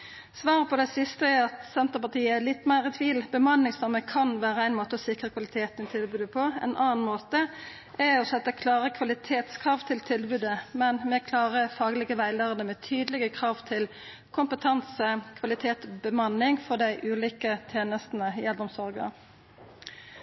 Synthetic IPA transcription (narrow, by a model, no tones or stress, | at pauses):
sʋɑːʁəpʰɔd̪æɪsɪst̪əɛɑt̪sɛnt̪əpɑt̪iːəɛlɪt̪ːmæɪʁɪt̪ʰʋiːlbəmɑnːɪŋsɑməkʰɑnʋæːɾəæɪnmoːt̪əɔsɪkʁəkʰʋɑlɪt̪ʰeːt̪ənɪt̪ʰɪlbʉːd̪əpʰɔɛ̰nʔɑːnmoːt̪ə | ʔɛɔsɛt̪ːəkʰlɑːɾəkʰʋɑlɪt̪ʰeːt̪skʰɾʁɑːʋt̪ʰɪlt̪ʰɪlbʉːd̪əmɛnmɛkʰlɑːʁəfɑːɡəlɪɡəʋæɪləɾənəmɛt̪ʰyːd̪əlɪɡəkʰʁɑːʋt̪ʰɪl | kʰʊmpət̪ʰɑnsəkʰʋɑlɪt̪ʰeːt̪bəmɑnːɪŋfɔd̪æɪʔʉːliːkət̪ʰjeːnəst̪n̩əɛld̪ɔmsɔɾɡə